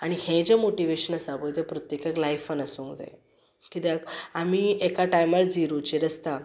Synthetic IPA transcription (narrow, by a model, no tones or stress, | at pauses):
aɽ̃ihẽd͡ʑemoʈiʋeɕənəsabojt̪epɾɔt̪jekəklajfənəsũŋkd͡za̰j | kit̪akamiekaʈajmaɾd͡ziɾot͡ɕeɾəst̪a